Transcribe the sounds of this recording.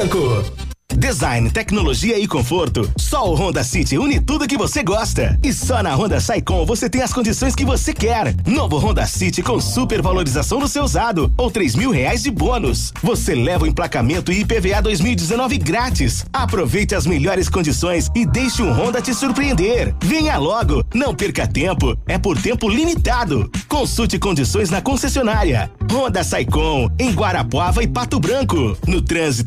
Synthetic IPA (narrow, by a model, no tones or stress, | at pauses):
kʊ | d̪ezaj̃nt̪ɛknoloʒiɐɪkõfoɾt̪ʊsɔʊɦõnd̪ɐsit͡ʃɪunɪt̪ud̪ʊk̬ɪvoseɡɔst̪ɐ̰ɪsɔnɐɦõnd̪ɐsajkõvoset̪ẽj̃ɐskõnd͡ʒisõj̃skɪvosekɛɾnovʊɦõnd̪ɐsit͡ʃɪkõsupeɾvaloɾizasɐ̃w̃d̪ʊsewzad̪ʊowt̪ɾejzmiwɦeajzd͡ʒɪbõnʊs | voselɛvʊĩplakamẽnt̪ʊipevead̪ojzmiwid͡ʒɪzenɔvɪɡɾat͡ʃisapɾovejt͡ʃɪɐzmeʎɔɾɪskõd͡ʒisõj̃sɪd̪ejʃɪũɦõnd̪ɐt͡ʃɪsuɾpɾiẽnd̪eɾvẽɲalɔɡʊnɐ̃w̃peɾkɐt̪ẽmpʊɛpoɾt̪ẽmpʊlimit̪ad̪ʊ̰kõsut͡ʃɪkõnd͡ʒisõj̃znɐkõsesionaɾiɐ̰hõnd̪ɐsajkõw̃ẽj̃ɡwaɾapwavɐɪpat̪ʊbɾɐ̃kʊnʊt̪ɾɐ̃zit̪